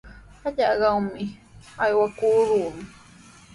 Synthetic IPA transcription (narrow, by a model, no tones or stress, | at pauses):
aʎaɢɑwmɪajwakuːɾuːnʊ